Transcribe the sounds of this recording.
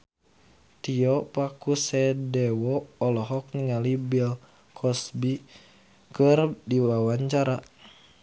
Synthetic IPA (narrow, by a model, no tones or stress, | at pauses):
t̪iɔpakusɛdɛwɔːlɔɦɔk̚niŋalibil | kʰɔsbi | kɨrdiwawaɲt͡ʃaɾa